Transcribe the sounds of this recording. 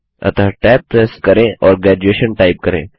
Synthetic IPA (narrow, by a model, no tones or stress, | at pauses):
ɐ̰t̪aʈɛːp̚ʈɛskɐɾẽʔɔːɾɡɾɛːd͡ʒueːʃənʈaːɪp̚kɐɾḛ̃ː